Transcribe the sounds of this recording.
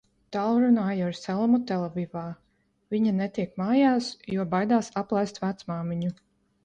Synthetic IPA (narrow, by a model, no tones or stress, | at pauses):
t̪aːlˠɾunaːjaaɾsɛlˠmut̪ɛlˠɛvivaː | viɲanɛt̪iɛkmaːjaːsjuɔbajd̪aːsaplˠajst̪væt̪smaːmiɲu